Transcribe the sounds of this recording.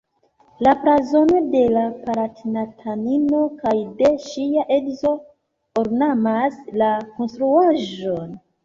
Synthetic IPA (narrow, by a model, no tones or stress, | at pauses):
lapɾazo̞no̞de̞lapaɾatinatʰanino̞kajde̞ʃiaʔeɡzo̞ | oɾnamaslako̞nstɾuaʒo̞n